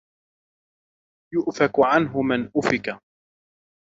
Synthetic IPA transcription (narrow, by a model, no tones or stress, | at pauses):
jʊʔfakʕanɦʊmanʔʊfɪka